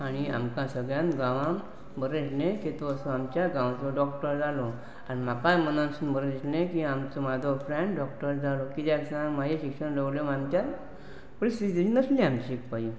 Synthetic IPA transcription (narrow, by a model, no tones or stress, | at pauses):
aɽ̃ia̰mkãsəɡɭjãnɡãʋãm | bəɾet͡ɕneket̪oəsoamt͡ɕjaɡãwt͡sɔɖɔkʈəɾd͡zalo | anim̤akajmənãnsuːnbʱəɾet͡ɕnekiamt͡somad̪ʱofɾɛɳɖɔkʈəɾd͡zalokit̪jaksamaɦeɕikʂəɽdəɡlemamt͡ɕaɾ | pɾisid͡zinəslĩamikpaɦi